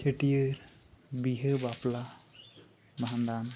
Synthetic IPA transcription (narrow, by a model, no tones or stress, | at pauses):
t͡ʃeʈijəɾ | biɦəbapla | baɦand̪an